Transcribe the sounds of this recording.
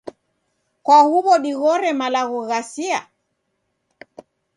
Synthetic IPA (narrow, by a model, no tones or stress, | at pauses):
kwahuβɔɗiɣɔɾɛmalaɣɔɣasia̰